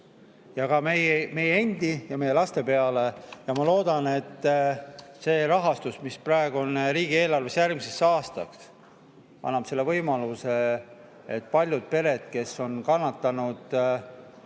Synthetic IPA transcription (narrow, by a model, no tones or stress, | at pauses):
jɑkɑmejme̞jeenʲd̪̥ijɑme̞jelɑst̪e̞pe̞ɑle̞jɑmɑlo̞ːd̪̥ɑne̞t̪ːˑ | se̞ːɾɑɦɑst̪usmisprɑeɡ̥uonɾiːɡ̥ie̞ːlɑrvesjærɡmise̞sːɑːst̪ɑks | ɑ̰nːɑb̥se̞lːe̞vɤjmɑluse̞ | et̪ːpɑlʲjud̪̥̚pe̞ɾe̞d̪̥ke̞so̞nkɑnːɑt̪ːɑnud̪̥